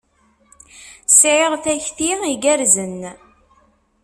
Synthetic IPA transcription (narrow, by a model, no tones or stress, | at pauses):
sʕɪʁθæçθiiɡæɾzən